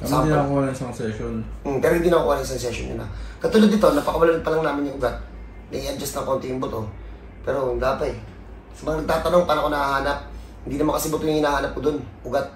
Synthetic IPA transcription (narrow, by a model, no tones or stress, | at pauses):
ɐsad̪inkolasɐnsɛʃonm̩pɛɾohɪnd̪inɐkoʔlaŋsɐns̬ɛʃonɲʊ̰nɐ̰kɐt̪ʊlad̪ɪt̪o̞nɐpɐkɐwɐlalɐd̪̚pɐlɐŋnaːmɪnɲjʊŋʔʊɡat̪̚ | nɐʔɪʔɐd͡ʒɐst̪nɐŋko̞nt̪ɪjʊŋbʊt̪o | pɛːɾond̪aːpɐɛ | sɐmɐŋɐnɐɡ̚t̪aːt̪ɐno̞ŋpaːnɐkonɐhahaːnɐp̚ | hɪnd̪iːnɐmaŋkɐsɛbʊt̪ojʊŋhɪnaːhaːnɐp̚kod̪onʔʊɡat̪̚